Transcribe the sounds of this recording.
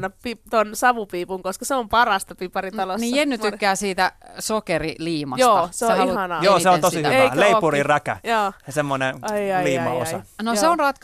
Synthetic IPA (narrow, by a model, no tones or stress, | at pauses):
nɑpipt̪onsɑʋupiːpuŋkoskɑseompɑrɑst̪ɑpipɑrit̪ɑlonniːjenːyt̪ykːæːsiːt̪æsokeriliːmɑjot̪ːɑseoihɑnɑjoːseont̪osihyʋælleipurirækæ̰joːɑsemːoneɑliːmɑ̰o̰sɑ̰noseonrɑt̪k